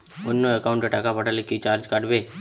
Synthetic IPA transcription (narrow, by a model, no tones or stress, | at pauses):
ʊnːõəkaːʊ̃ɳʈeʈakapəʈalekːit͡ʃaːɾd͡ʒkaɖbeː